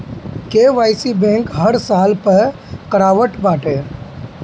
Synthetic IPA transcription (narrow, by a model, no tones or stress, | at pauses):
keːʋaːjsibɛ̃ːŋkɦəɾsaːlpəɾkəɾaːʋəʈbaːʈeː